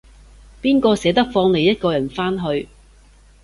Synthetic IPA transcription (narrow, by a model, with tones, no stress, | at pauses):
piː˥nkɔː˧sɛː˨˥t̪ɐ˥k̚fɔː˧ŋne˨˧jɐ˥t̚kɔː˧jɐ˨˩nfaː˥nɦɵ˧ɥ